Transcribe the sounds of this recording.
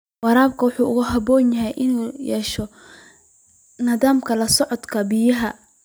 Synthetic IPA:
wɑɾaːb̚kʰɐwʊħuːʊɣʊɦɐbɔːnjɐɦɛjʔɪnuːjɛːʃɔ | nɐðaːmkʰɐlɐsɔʕɔd̪kʰɐbɪjɐɦɐ

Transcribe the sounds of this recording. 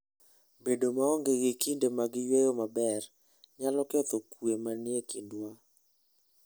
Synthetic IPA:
bedomaɔŋɡeɡikʰindemaɡɪjwejomabɛr | ɲalɔkɔt̪okuemanjekindwa

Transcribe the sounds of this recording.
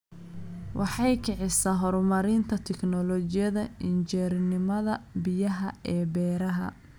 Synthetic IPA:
wʔɑħɑjkʰɪʕɪsaːɦɔɾmɐɾɪnt̪ʰɐt̪ʰɛknɔlɔt͡ʃɪjɐðɐɪnt͡ʃɛːɾɪnɪmɐðɐbɪjɐɦɐɛːbɛːɾɐɦɐ̰

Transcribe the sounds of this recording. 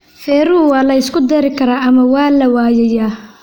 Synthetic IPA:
fɛːɾʊʊwɑːlɐɪskʰʊd̪ɛɾɪkʰɐɾaːɐmɐwɑːlɐwaːjɐjaː

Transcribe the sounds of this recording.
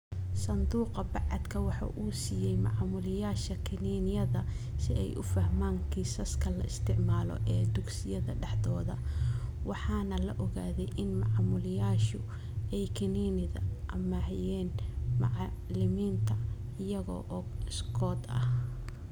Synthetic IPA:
sɐnd̪uːqɐbɑʕɑd̪kʰɐwɑħɑ̰ːʔuːsiːjɛjmɑ̰ʕmʊlɪjaːʃɐkʰɪniːnɪjɐðɐ | sɪ̰ɛ̰jʔʊfɐhmaːŋkʰiːsɐskʰɐlɐ̰ɪst̪ʰɪʕmaːlɔ̰ʔɛːd̪ʊɡsɪjɐðɐɖɛħd̪ɔːðɐ̰wɑħɑːnɐlɐʔɔɣaːðɛjʔɪnmɑʕmʊlɪjaːʃʊ | ɛjkʰɪniːnɪðɐ̰ʔɐmahjɛːnmɑʕlɪmiːnt̪ʰɐ | ɪjɐɣɔ̰ːʔɔːɪskʰɔːd̪ɐ̰h

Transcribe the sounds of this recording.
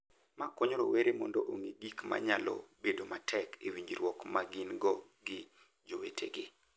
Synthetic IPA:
makwoɲoɾoweɾemɔndɔʔoŋiɡikma̰ɲalɔ̰bedomatʰɛkewiɲd͡ʒiɾwɔkmaɡɪnɡɔ | ɡɪ | d͡ʒowetʰḛɡɪ

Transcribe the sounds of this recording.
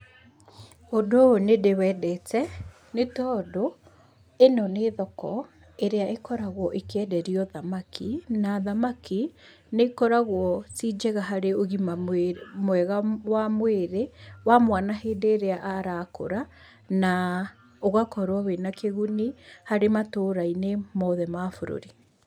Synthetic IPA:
odonedewɛːdɛtɛ | netɔːdo | enɔneːðɔkɔ | eɾeaʔekɔɾaɣwɔʔekeɛdɛɾiɔðamakʰinaðamaki | nekɔɾaɣwɔt͡sid͡ʒɛɣaɦaɾeoɣimamwɛɣawamweɾewamwanaɦeːdeːɾeaʔaɾako̰ɾa | na | oɣakɔɾwawenakeɣunihaɾematoɾainemɔðɛmafoɾo̰ɾi

